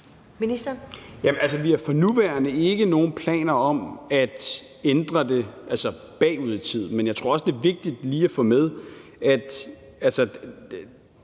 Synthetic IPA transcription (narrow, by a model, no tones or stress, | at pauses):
minisd̥ɐjæælsəʋiæɐfɒ̽nuʋæɐnəe̝ɡ̥əno̝ːn̩pʰlɛ̰ːnɐɒ̽mæd̥ | end̥ʁɐd̥e̝ʔælsə | b̥ɛ̰ːuð̞ˠt͡sʰið̰ˠmenjäɪt͡sʰʁo̝ɐɒsəd̥e̝ɐʋe̝ɡ̥̚d̥id̥liːæfɔ̰̽ːmeð̞ˠæd̥ | ælsə